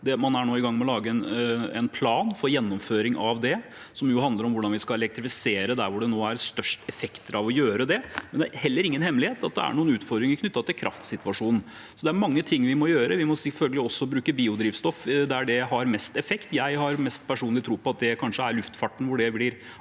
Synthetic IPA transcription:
d̪ɛmɑnæɳoːɪɡɑŋːmɛɔlɑːɡəɛnɛ̰npʰlɑːnfɔɾjɛnːɔmføːɾɪŋʔɑʋd̪ɛ | sɔmjʊɦɑnd̪ləɾɔmʋʊɖɑnʋɪskɑɛlɛk̚t̪ɾɪfɪseːɾəd̪æɾʋʊɖɛnoːæɾst̪œʂʈɛfɛkt̪əɾʔɑʋɔjøːɾəd̪ɛmɛnd̪ɛæ̰ɾhɛlːəɾɪŋːənhɛmːlɪheːt̪ʰɑt̪̚d̪ɛ̰æ̰ɳuːənʉːt̪fɔɾd̪ɾɪŋɪknʏt̪ːɑt̪ʰɪlkʰɾʔɑ̰ft̪sɪt̪ʋɑʂuːnn̩ | sɔd̪ɛæɾmɑŋːət̪ʰɪŋːʋɪmɔjøːɾəʋɪmɔsɛfœlɡəlɪɔsːɔbɾʉːkəbiːʊd̪ɾiːʋst̪ɔfd̪ɛæɖɛɦɑɾmɛst̪ɛfɛkt̪jæɪhɑɾmɛst̪pʰæʂuːnlɪt̪ʰɾuːpɔɑt̪̚d̪ɛkʰɑnʂəæɾɭʉft̪fɑʈːn̩ʋʊɖɛblɪɾ

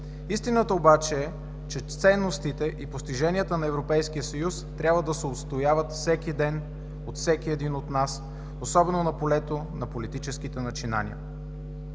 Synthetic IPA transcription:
ist̪inət̪əobat͡ʃɛɛ | t͡ʃɛt̪sɛnːost̪it̪ɛʔipost̪iʒɛnʲijət̪ənɐɛvɾopɛjskijəsɐjust̪ɾʲʔabvəd̪ɐsɛot̪st̪ojavət̪fsɛkid̪ɛn | ot̪fsɛkiɛd̪inot̪nas | osɔbɛnonɐpolɛt̪onɐpolit̪it͡ʃɛskit̪ɛnɐt͡ʃina̰nḭə̰

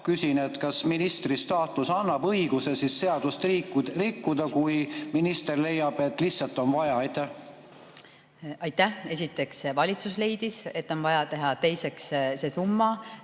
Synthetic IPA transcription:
kysʲine̞t̪kɑsminist̪rist̪ɑːt̪usɑnːɑbɤiɡ̥use̞sisːe̞ɑd̪̥ust̪rikːu̥rikːud̪ɑkujminist̪e̞rle̞jːɑb̥e̞t̪ːˑlihtsɑlt̪ːˑo̞nvɑjɑɑjt̪ːˑæh | ɑjt̪ːæhe̞sit̪ːˑe̞ksvɑlʲit̪susle̞jd̪̥ise̞t̪ːˑo̞nvɑjɑt̪e̞ɦɑt̪e̞jse̞ksse̞ːsumːɑ

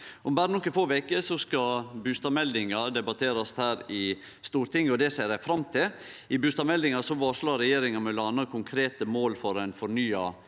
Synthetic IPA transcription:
ʔʊmbæːɾənɔkːəfoːʋɛkəsɔskɑbʉst̪ɑmɛld̪ɪŋɑd̪ɛbɑt̪ʰeːɾɑshæːɾɪ | st̪uːɾt̪ɪŋːɔd̪ɛseːɾæɪfɾɑmt̪ʰɪlɪbʉːst̪ɑmɛld̪ɪŋɑsɔʋɑʂɭɑɾɛjeːɾɪŋɑmɛlɑnəkʰʊŋkʰɾeːt̪əmoːlfɔɾɛnfɔɾɳyːɑ

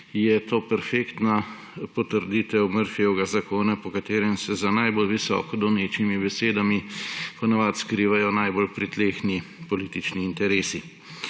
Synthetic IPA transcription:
jɛt̪oːpɛɾfeːkt̪na | pɔt̪əɾd̪iːt̪ɛwməɾfjɛwɡazakoːnapɔkat̪eːɾɛmsɛzanajbolʋisɔ̰ːkɔd̪ɔwneːt͡ʃnimibɛseːd̪amipɔnaʋat̪skɾiːʋajɔnajbolpɾit̪lexnipɔliːt̪it͡ʃniːnt̪ɛɾeːsi

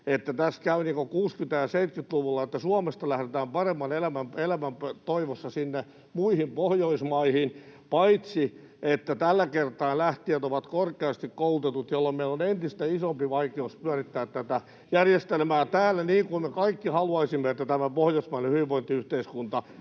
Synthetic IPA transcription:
et̪ːæt̪æskæyniːŋkokuːskynt̪æjɑseit̪kyt̪luʋulːɑet̪ːæsuɑmest̪ɑlæhɾet̪æːmpɑremːɑnelæmæmelæmæmpøt̪oiʋosːɑsinːe | muihimpohjoismɑihinpɑit̪si | et̪ːæt̪ælːækert̪ɑːnlæht̪iæt̪oʋɑt̪korkeɑst̪ikkoult̪et̪ut̪jolːommeilonent̪ist̪æisompiʋɑikeuspyærit̪ːæːt̪t̪æt̪æ | jærjest̪elmæːt̪æːlːæniːŋkummekɑikːihɑluɑisimːeet̪ːæt̪æmæpohjoismɑinehyʋiʋʋoint̪iyht̪eiskunt̪ɑ

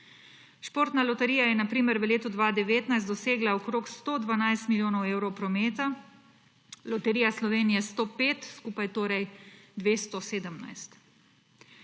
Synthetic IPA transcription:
ʃpoːɾt̪nalɔt̪ɛɾijajɛnapɾiːməɾʋəleːt̪ud̪ʋaːd̪ɛʋeːt̪najst̪d̪ɔseːɡlaɔkɾoːkst̪oːd̪ʋanajst̪milʲjoːnɔweːwɾɔwpɾɔmeːt̪a | lɔt̪ɛɾiːjaslɔʋeːnijɛst̪oːpeːt̪skuːpajt̪oːɾɛjd̪ʋeːst̪ɔseːd̪əmna̰jst̪

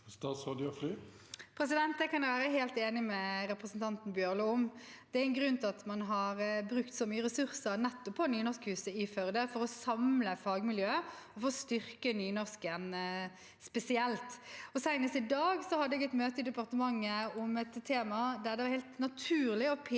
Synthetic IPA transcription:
st̪ɑːt̪sʁɑd̪ɪɔfɾyː | pʰɾɛsɪd̪ɛnt̪̚d̪ɛkɑnd̪ɛʋæːɾəɦeːlt̪eːnɪmɛɾɛpɾəsnt̪ʰɑnt̪n̩bjøːʁluʊm | d̪̥ɛæɛnɡɾʉnt̪ʰɪɑt̪mɑnɦɑɾbɾʉkt̪sɔmyːəɾɛsʉɾsəɾnɛt̪ːɔpʰːɔnyːnɔskhʉːsəɪfœɾd̪efɔɾɔsɑmləfɑːɡmɪljøːɔfɔɔst̪ʏɾkənyːnɔskən | spɛsɪɛlt̪ɔsæɪnəst̪ɪd̪ɑːɡsɔhɑd̪əɛɡɛt̪møːt̪əɪd̪ɛpɑʁt̪əmɑŋːəɔmɛt̪t̪ʰːeːmɑd̪æʁd̪ɛʋɑɾhæɪlt̪nɑt̪ʰʉːɾlɪɔpʰː

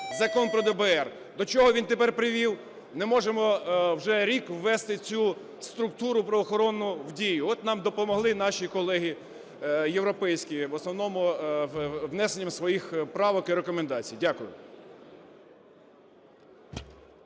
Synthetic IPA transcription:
zɐkɔnpɾɔd̪ɛbɛɛr | d̪ɔt͡ʃɔɦɔʋʲint̪epɛrpɾɪʋʲiw | nɛmɔʒemɔwʒɛɾʲikwːɛst̪ɪt͡sʲu | st̪ɾʊk̚t̪uɾʊpɾɔʋɔxɔɾɔnːʊwdʲijʊɔt̪nɑmd̪ɔpɔmɔɦlˠɪn̪ɑʃʲikɔlˠɛɦi | jewɾɔpɛjsʲkʲiʋɔsnɔwnɔmʊ | ʋnɛsenʲːɐmsʋɔjixpɾɑʋɔkiɾekɔmend̪ɑt͡sʲijdʲakʊjʊ̰

